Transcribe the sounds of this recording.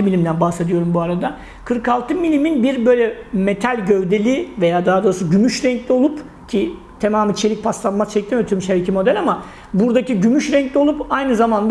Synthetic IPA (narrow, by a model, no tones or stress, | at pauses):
ɯmilʲimd̪ænbahse̞d̪ijo̞ɾumbuaɾad̪a | kʰɯɾkalˠt̪ʰɯmilʲiminbiɾbø̞jlʲɛmet̪ʰalʲɟø̞vd̪e̞lʲive̞jaːd̪aɦad̪osɯɟymyʃɾɛɲclʲio̞lˠup | cʰi | t̪ʰemaːmit͡ʃʰe̞lʲic̚pʰast̪lˠanmast͡ʃʰɛc̚t̪imøt̪ʰyɾmʃeɾecʰimo̞d̪ælʲama | buɾd̪aciɟymyʃɾɛɲclʲio̞lˠupajnɯzamand̪